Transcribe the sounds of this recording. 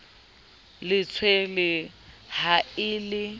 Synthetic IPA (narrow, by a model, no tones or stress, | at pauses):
lɪt͡sʰwelɪhaɪːlɪ